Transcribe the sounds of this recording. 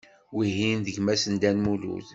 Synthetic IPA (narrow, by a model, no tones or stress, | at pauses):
wiɦinðəɡmæsənd̪ænmulṵθ